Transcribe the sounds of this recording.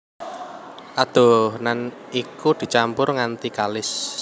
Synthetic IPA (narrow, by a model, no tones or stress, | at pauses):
ʔad̪̥ɔ̤hnan | ikud̪̥i̤t͡ʃampʊrŋant̪ikalɪs